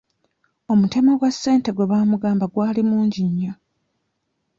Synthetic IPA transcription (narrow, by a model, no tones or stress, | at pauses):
o̞mute̞maɡwasːe̞ːnte̞ɡwe̞βaːmuɡaːmbaɡwaːlimuːɲɟiɲːa